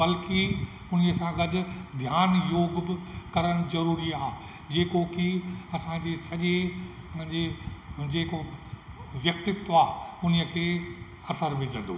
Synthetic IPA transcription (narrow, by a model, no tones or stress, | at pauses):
bɐlki | ʊniəsãɡɐɗʊ̆d̪ʱjaːnjoːɡbɪkɐɾəɽ̃ʊzɐɾuːɾiaːɦ | d͡ʑeːkokiɐsãd͡ʑeːsɐʄẽ | d͡ʑeːd͡ʑeːko | ʋjɐk̚t̪ɪt̪ːaːɦʊniəkʰeː | ɐsəɾʋɪd͡ʑʱə̃nd̪o̰ː